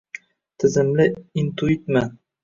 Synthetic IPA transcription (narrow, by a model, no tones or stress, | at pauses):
t̪ʰɪ̆zɘmlɪint̪uit̪mɘ